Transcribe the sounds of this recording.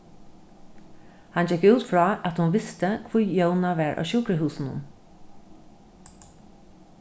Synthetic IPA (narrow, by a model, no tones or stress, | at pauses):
hand͡ʒɛkʉːt̪fɹɑːʔæt̪hʊnʋɪst̪əkʰvʊjjœwnaʋæːɹʔa̰ːʃuːkɾəɦuːsnʊ̰n